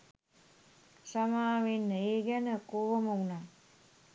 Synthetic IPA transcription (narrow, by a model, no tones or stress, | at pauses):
samaːʋenːəeːɡænəkoʋəməunaː